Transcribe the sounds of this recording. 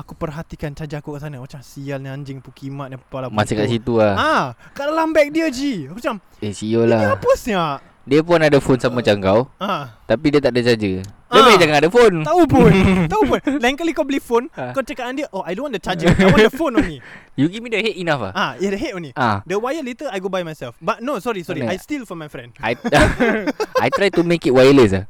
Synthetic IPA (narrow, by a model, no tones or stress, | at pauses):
akupərɦat̪ikant͡ʃad͡ʒaakukaʔsanamat͡ʃamsialɲaɲd͡ʒɪŋpukimaʔ̪̚ɲapalamasakaʔsit̪uahakaʔdalambɛk̚diəd͡ʒikt͡ʃam | esijolaapəsɲaʔ | diəp̬ʊnadəfonsammat͡ʃaŋɡawat̪apidiət̪aʔ̚dət͡ʃad͡ʒə | dəbajad͡ʒaŋaŋadəfonaupʊnt̪aupʊnlɛŋkəlikɔblifonkat͡ʃəkaʔandiəʔoajdõnwɔ̃ntut͡ʃad͡ʒəwdəfonɔ̃ni | juɡifmidəhet̚inafa̰aisdəɦet̚ɔ̃niadəwajəlet̪əlajɡobajmajsɛlfbat̚nosɔɾisɔɾiajstilfɔmajfɾɛ̃ndaj | ajt̪ɾajt̪umẽkit̚wajəles̬a